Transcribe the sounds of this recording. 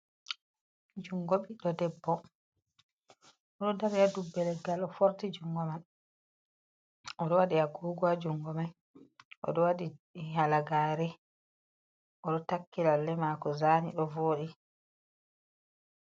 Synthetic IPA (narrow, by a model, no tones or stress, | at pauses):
d͡ʒuŋɡoɓiɗɔdɛbːɔ | ɔɗɔdaɾijadubːɛlɛɡalɔfoɾtid͡ʒuŋɡɔman | ʔɔɗɔwaɗiaɡuːɡɔad͡ʒuŋɡɔman | ʔɔ̰ɗɔwaɗihalaɡaːɾɛ | ʔɔɗɔtakːilalːɛmaːkɔzaːniɗɔvoːɗi